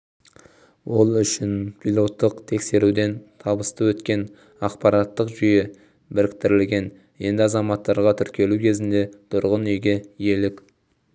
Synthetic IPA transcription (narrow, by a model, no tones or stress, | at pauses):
wʔo̞lˠʏʃɪnpʰilˠo̞t̪ːəqt̪ʰe̞kse̞ɾud̪e̞nt̪ʰɑbəst̪əwɵt̪kʲe̞n | ɑqpɑɾɑt̪ːəqʒʏjɪ | bɪɾɪkt̪ɪɾɪlɡʲe̞n | je̞nd̪ɪɑzɑmɑt̪ːɑɾʁɑt̪ʰʏɾkʲʰe̞lukʲʰe̞zɪnd̪e̞t̪ʰʊɾʁənʏjɡʲeje̞lɪkʲ